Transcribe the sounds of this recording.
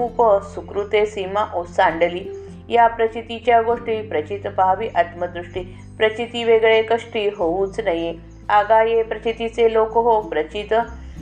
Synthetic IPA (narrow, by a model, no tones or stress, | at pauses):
upəsukɾut̪esimaʔosãɳɖəli | japɾət͡ɕit̪it͡ɕjaɡoʂʈiːpɾət͡ɕit̪paɦʋiʔat̪məd̪ɾuʂʈi | pɾət͡ɕit̪iʋeɡɭekəʂʈiɦouːt͡snaje | aɡajepɾət͡ɕit̪it͡selokɦopɾət͡ɕit̪